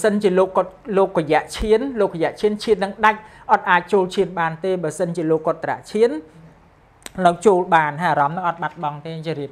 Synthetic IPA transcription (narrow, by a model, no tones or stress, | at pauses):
sənt͡ɕiəloːkːt̪loːk̚rɔjɛ̆əʔt͡ɕʰiənloːk̚rɔjɛ̆ʔt͡ɕʰiənt͡ɕʰiənːɨŋɗac̚ʔɑt̪̚ʔaːc̚t͡ɕoːlt͡ɕʰiənɓaːnt̪eːɓaəsənt͡ɕiəloːkːot̪ːra̰ʔt͡ɕʰiən | nɨwt͡ɕoːlɓaːnaaːɾɑmnɨŋʔɑt̪̚ɓat̪̚ɓɑŋt̪eːt͡ɕːɾiəp̚